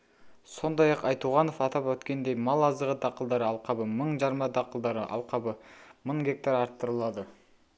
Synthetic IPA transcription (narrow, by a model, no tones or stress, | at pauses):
so̞nd̪ɑjɑqɑjt̪uʁɑno̞fɑt̪ɑpwɵt̪kʲe̞nd̪ejmɑlˠɑzd̪əʁəd̪ɑqəlˠd̪ɑɾəɑlˠqɑbəməɴʒɑɾmɑd̪ɑqəlˠd̪ɑɾəʔɑ̰lˠqɑbəməɴɡʲe̞k̚t̪ɑɾɑɾt̪ːəɾəlˠɑd̪ə